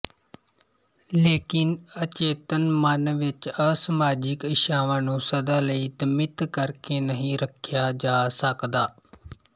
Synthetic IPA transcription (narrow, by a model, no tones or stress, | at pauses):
leːkɪnət͡ʃeːt̪ənmənʋɪt͡ʃəsəmaːd͡ʒɪkɪʃaːʋãːnũːsəd̪aːləiːd̪əmɪt̪kəɾkeːnəɦĩːɾəkʰɪjaːd͡ʒaːsəkd̪aː